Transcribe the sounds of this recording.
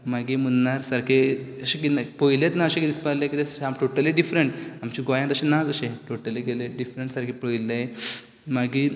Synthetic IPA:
maɡiːmənnaɾsaɾkʰe | əɕekinpəjlet̪naəɕẽkid̪ispalẽkit̪eamʈoʈəliɖifɾeɳʈamt͡ɕiɡajãnt̪əɕẽnad͡zəɕẽʈoʈəliɡeleɖifɾəɳʈsaɾkʰepəjle | maɡiː

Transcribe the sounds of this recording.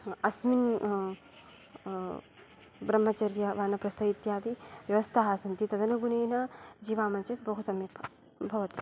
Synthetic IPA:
ɐsmin | bɾɐm̤ːɐt͡ʃɐɾjɐʋaːnɐpɾɐst̪ʰɐit̪jaːd̪iʋjɐʋɐst̪ʰaɦaːsɐnt̪it̪ɐd̪ɐnɐɡuneːnɐd͡ʒiːʋaːmɐnt͡ʃɐt̪bɐɦusɐmipʰɐ | bʱɐʋɐt̪

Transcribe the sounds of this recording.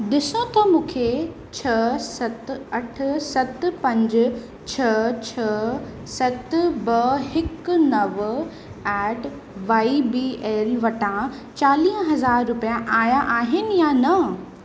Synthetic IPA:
ɗɪsõt̪ɐmũːkʰe | t͡ɕʰɐsɐt̪ɐʈ̆ʰsɐt̪̆pɐ̃ɲd͡ʑ | t͡ɕʰɐt͡ɕʰɐ | sɐt̪bɐɦɪknɐʋ | ɛːʈ | ʋaːibiːʔeːlʋɐʈã | t͡ɕaːliːɦɦɐzaːɾːʊpijãʔaːjaʔaːɦɪnɪ̆janɐ

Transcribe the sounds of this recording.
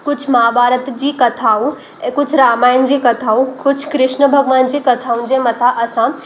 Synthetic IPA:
kʊd͡ʑʱʰmaːbʱaːɾət̪d͡ʑiːkɐt̪ʰaːũ | kʊd͡ʑʱʰɾaːmaːɪnd͡ʑiːkɐt̪ʰaːũkʊd͡ʑʱʰkɾɪʃnəbʱɐɡʋaːnd͡ʑiːkɐt̪ʰaːũnd͡ʑemɐt̪ʰaʔɐsã

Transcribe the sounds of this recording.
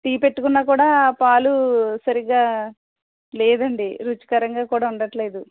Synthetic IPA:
t̪iːpe̞ʈːukunːaːkuːɽaːpaːlusɐɾiɡaː | leːd̪ɐɳɖiɾut͡ʃi̥kɐɾɐŋɡaːkuːɽaːuɳɖɐʈle̞ːd̪u

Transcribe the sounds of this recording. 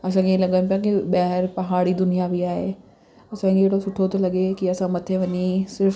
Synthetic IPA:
ɐs̬ãkʰeelɐɠanʊpjãkiɓɐɦɪɾpɐɦaːɽid̪ʊnijaʋiaːɦe | ɐsãkeeɦːɽosʊʈʰot̪olɐɠekiɐsãmɐt̪ʰeʋɐɲisɪɾf

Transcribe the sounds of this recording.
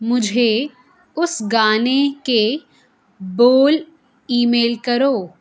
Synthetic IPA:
mʊd͡ʒʱe | ʊsɡaːneke | boːl | iːmeːlkɐɾoː

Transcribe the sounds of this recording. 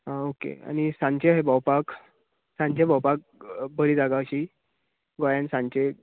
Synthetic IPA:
ɦãokḛa̰ñisãɲt͡ɕeɦebəwpak | sãɲt͡ɕebəwpak̚bəɾiːd͡zaɡaɕiː | ɡojansãɲt͡ɕe

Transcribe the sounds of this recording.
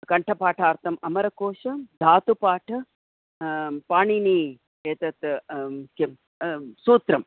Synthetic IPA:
kɐɳʈʰɐpaːʈʰaːɾt̪ʰɐmɐmɐɾɐkoːʃɐd̪ʱaːt̪upaːʈʰɐ | paːɳini | eːt̪ɐt̪ke | suːt̪ɾɐm

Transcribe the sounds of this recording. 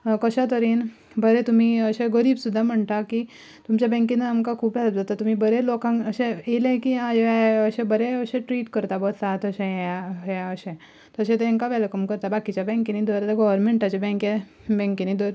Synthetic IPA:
kəɕat̪əɾiːn | bəɾɛt̪um̤iəɕeɡəɾiːbsud̪ʱːam̤əɳʈ̪aki | t̪umt͡ɕjabɛ̃ŋkinːaamkakʰuːpɦɛləd͡zat̪at̪um̤ibəɾelokãŋəɕẽelẽkiãjeɛəɕẽbəɾeəɕẽʈɾiːʈkəɾt̪abət̪at̪əɕẽaaəɕẽ | t̪əɕẽt̪eẽŋkaʋɛlkəmkəɾt̪abakit͡ɕabɛ̃ŋkinid̪ɔɾt̪aɡɔʋəɾmeɳʈat͡ɕebɛ̃ŋke | bɛ̃ŋkinid̪əɾ

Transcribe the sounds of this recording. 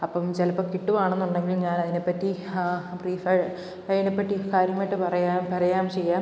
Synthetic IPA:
ɐpːɐmt͡ɕelɐpːɐkiʈːuʋaːɳenːuɳɖe̞ŋɡilɲaːnɐðine̞pːɐtːipriːfɐɻ | ɐðinepːɐʈːikaːɾjɐmajʈːɨpɐrɐjaːmpɐɾɐjaːmt͡ɕe̞jːaːm

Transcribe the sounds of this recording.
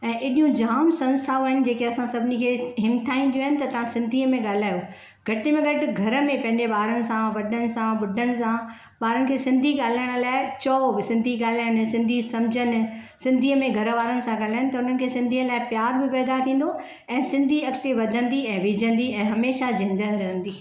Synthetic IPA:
ɛ̃ːʔɪɗijũd͡ʑaːmsɐ̃nst̪ʰaːaːɦɪnɪ̆d͡ʑeːkeɐsãsɐbʱɪnikʰeːɦɪmt̪ʰaːĩnd̪ijoːɦɪnɪ̆t̪ɐt̪ɐʋ̤ãsɪ̃nd̪ʱiːəmẽɠaːl̤aːjo | ɡʱɐʈɪmẽɡʱɐʈɪɡʱɐɾə̆mẽpɐ̃ɦɪ̃ɲd͡ʑeɓaːɾənɪ̆sãʋɐɗʱənɪ̆sãbʊɖʱənɪ̆sã | ɓaːɾənɪ̆kʰeːsɪ̃nd̪ʱiɠaːl̤aːjəɽ̃ʊ̆laːɪt͡ɕɔːbɪsɪ̃nd̪ʱiɠaːlaːjnɪ̆sɪ̃nd̪ʱisɐmd͡ʑʱənɪ̆sɪ̃nd̪ʱiːəmẽɡʱɐɾʋaːɾənɪ̆sãɡaːl̤aːɪɽ̃ɪ̆t̪ɐʊn̤ən̆kʰeːsɪ̃nd̪ʱiːəlaːɪpjaːɾbɪpɛːd̪at̪ʰĩːn̆d̪o | ɛ̃ːsɪ̃nd̪ʱiɐkt̪eʋɐd̪ʱə̃nd̪iɛ̃ːʋɪd͡ʑʱə̃nd̪iɛ̃ːɦɐmeːʃad͡ʑɪ̃nd̪ənɾɐɦə̃nd̪iː

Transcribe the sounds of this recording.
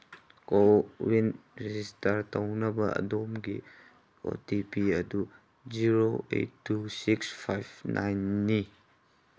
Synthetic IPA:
kowinɾezistɐɾtɐwnɐbɐɐ̰domɡi | o̰tipiɐdu | d͡ʒiɾoḛjtːusikspʰajbnʔa̰jnːi

